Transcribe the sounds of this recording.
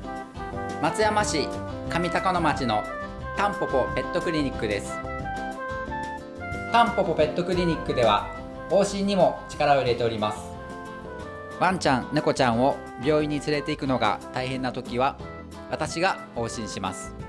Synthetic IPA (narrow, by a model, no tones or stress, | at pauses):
mat͡sɨjamaɕikamʲit̪akono̞mat͡ɕino̞ | t̪ãmpo̞po̞pe̞t̪ːo̞kɯ̟ɾʲiɲ̟ikːɯ̟d̪e̞sɨ̥ | t̪ãmpo̞po̞pe̞t̪ːo̞kɯ̟ɾʲiɲ̟ikːɯ̟d̪e̞βa̰ | o̞ːɕĩɲ̟ːimo̞t͡ɕi̥kaɾao̞iɾe̞t̪e̞o̞ɾʲimasɨ̥ | βãɲ̟t͡ɕãnneko̞t͡ɕãɰ̃o̞ | bʲjo̞ːiɲ̟ːit͡sɨɾe̞t̪e̞ikɯ̟no̞ɡa̰t̪aihẽ̞nːat̪o̞kʲiβa | βat̪aɕiɡa | ho̞ːɕĩɰ̃ɕima̰sɨ̥